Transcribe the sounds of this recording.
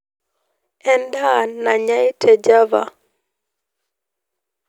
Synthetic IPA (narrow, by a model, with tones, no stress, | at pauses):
ɛ˨nda˦˨na˨ɲa˦ɪ˦tʰɛ˨d͡ʒa˦va̰˨